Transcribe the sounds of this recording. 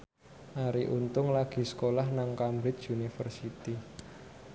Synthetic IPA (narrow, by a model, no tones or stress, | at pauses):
ʔaɾiʔunt̪ʊŋlaɡ̥i̤sə̥kolahnaŋkamɾɪt̪junifərsit̪i